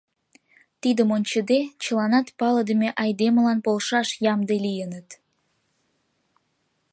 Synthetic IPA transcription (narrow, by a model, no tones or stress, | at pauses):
t̪id̪əmonʲt͡ɕəd̪et͡ɕə̆lɑnɑt̪pɑləd̪əmʲeʔɑjd̪emə̆lɑnpolʃɑʃjɑmd̪elijənət̪